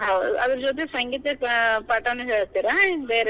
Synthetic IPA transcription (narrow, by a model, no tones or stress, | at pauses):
ɦawɐd̪ɐɾd͡ʒot̪esɐŋɡiːt̪ɐpaːʈɐnːeɦeːɭst̪iːɾabeːɾe